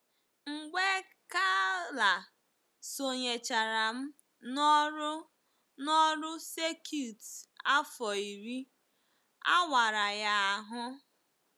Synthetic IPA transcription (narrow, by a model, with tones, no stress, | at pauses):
ŋ͡m̩˨ɡ͡be˦ | ka˦la˨ | so˨ɲe˨t͡ʃa˨ɾa˨m̩˦ | nɔ˦ɾ | nɔ˦ɾʊ˦se˦kʰu˦˨ta˦fɔ˨i˨ɾi˦ | a̰˦wa˨ɾa˨ja˦a˨ɦʊ˦